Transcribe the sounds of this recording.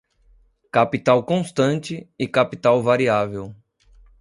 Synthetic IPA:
kapit̪awkõst̪ɐ̃nt͡ʃɪɪkapit̪awvaɾiavew

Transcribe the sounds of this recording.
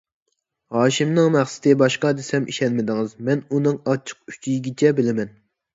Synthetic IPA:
ɦɑːʃimnɨŋmæχsɪ̥t̪ʰɪbɑʃqɑd̪esɛmʔiʃɛnmɪd̪ɪŋɨzmɛnunɨŋɑt͡ʃʰːə̥q̚y̥t͡ʃʰijiɡʲit͡ʃʰɛbɪlɪmɛn

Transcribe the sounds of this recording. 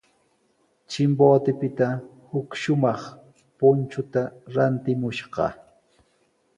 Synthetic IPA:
t͡ʃɪmboːt̪ɪpɪt̪a | hʊkʃʊmɑχ | pʊnt͡ʃʊt̪aɾant̪ɪmʊʃɢɑ̰

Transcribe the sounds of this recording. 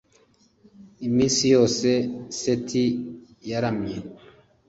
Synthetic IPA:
imĩsijosesetʰi | jaɾamɲe

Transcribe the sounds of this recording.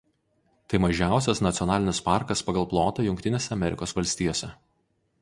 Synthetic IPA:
t̪ɐɪmɐʒʲæˑʊsʲɛsnɐt̪sʲɔnɑːlʲɪnʲɪspɑˑɾkɐspɐɡɐlˠplˠoːt̪ɐjʊŋʲk̚ʲt̪ʲɪnʲeːsʲɛɐmʲɛɾʲʔɪ̰koːsʋɐlʲsʲt̪ʲiːjoːsʲɛ

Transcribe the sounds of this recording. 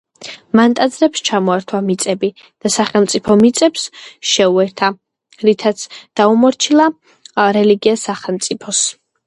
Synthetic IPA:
mant̪ʼad̪zɾɛpst͡ʃʰamɔɛɾt̪ʰwamit̪sʼɛbi | d̪̥asaχɛlˠmt̪sʼipʰɔmit̪sʼɛpsʃɛuɛɾt̪ʰa | ɾit̪ʰat̪sʰd̪̥aumɔɾt͡ʃʰilˠa | ɾɛliɡiasaχɛlˠmt̪sʼipʰɔs

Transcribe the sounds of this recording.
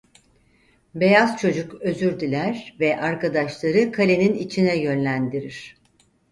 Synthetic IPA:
be̞jaz̥t͡ʃʰo̞d͡ʒukø̞zyɾd̪ilʲæɾvɛʔaɾkad̪aʃlˠaɾɯkʰalʲe̞ninit͡ʃʰinɛjø̞nlʲænd̪iɾiɾ̥

